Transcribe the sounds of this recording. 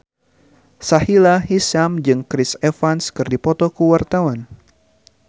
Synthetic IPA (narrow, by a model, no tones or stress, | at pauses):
sahilaɦisamd͡ʒɨŋkɾisefanskɨrdipɔt̪ɔkəwart̪awan